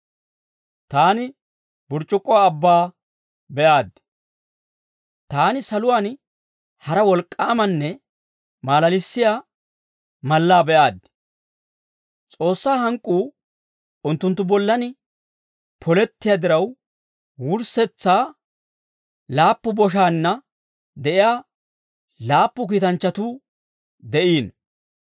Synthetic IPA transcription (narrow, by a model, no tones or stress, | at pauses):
t̪aːnɪ | bʊɾt͡ʃʼːʊkʼːɔwaːbːaː | bɛʔaːd̪̚ | t̪aːnɪsɐlʊwaːn | hɐɾɐwɔlkʼːaːmɐnːɛ | maːlɐlɪsːɪja | mɐlːaːbɛʔaːd̪̚ | t͡sʼo̞ːsːaːɦɐŋkʼːuː | ʊnt̪ːʊnt̪ːʊbɔlːɐnɪ | pʰɔlɛt̪ːɪjaːd̪ɪɾɐw | wʊɾsɛt͡sːaː | laːpːʊbɔʃ̬aːnːɐ | d̪ɛʔɪjaː | laːpːʊk̬iːt̪ɐnt͡ʃːɐt̪uː | d̪ɛʔiːn